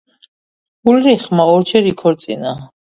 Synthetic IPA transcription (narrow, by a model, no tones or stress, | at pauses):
ulɾiχmaɔɾt͡ʃʰɛɾikʰɔɾt̪sʼḭna